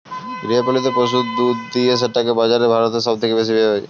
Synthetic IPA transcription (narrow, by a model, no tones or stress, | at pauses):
ɡɾiapolit̪̬epɾos̬ud̪ud̪d̪ies̬eʈːakebad͡ʑaɾebʱaɾot̪eʃɔbt̪ʰekebes̬ibeɦɔj